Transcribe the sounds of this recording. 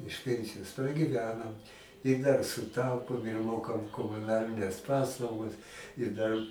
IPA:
ɪʃ ˈpʲɛnʲsʲɪjoːs prɐɡʲiːˈʋʲæːnɐm ɪ dɐr sʊˈtɐʊpoːm ɪr ˈmoːkɐm koːmʊˈnɑːlʲɪnʲɛs ˈpɑːslˠɐʊɡɐs ɪ ˈdɐr

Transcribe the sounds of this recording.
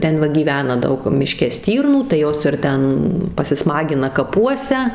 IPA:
ˈtʲɛn ʋɐ ɡʲiːˈʋʲæːnɐ ˈdɐʊk mʲɪˈʃʲkʲɛ ˈsʲtʲiːrnuː tɐɪ ˈjoːs ɪr ˈtʲɛn pɐsʲɪˈsmɑːɡʲɪnɐ kɐˈpuɔsʲɛ

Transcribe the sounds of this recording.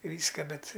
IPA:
ˈʋʲiːskɐ ˈbʲɛt

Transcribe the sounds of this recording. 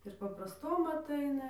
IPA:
ɪr pɐprɐsˈtoːm ɐtˈɐɪnɐ

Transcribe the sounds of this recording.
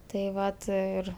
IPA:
tɐɪ ˈʋɐt ˈɪr

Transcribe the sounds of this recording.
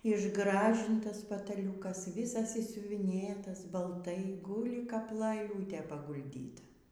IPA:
ɪʒˈɡrɑːʒʲɪntɐs pɐtɐˈlʲuːkɐs ˈʋʲɪsɐs ɪʃʲsʲʊʋʲɪˈnʲeːtɐs bɐlˠˈtɐɪ ˈɡuːlʲɪ kɐp lˠɐˈlʲuːtʲeː pɐɡʊlʲˈdʲiːtɐ

